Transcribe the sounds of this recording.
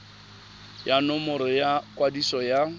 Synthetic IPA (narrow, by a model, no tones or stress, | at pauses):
janʊmʊɾɪjakʼwadisɔja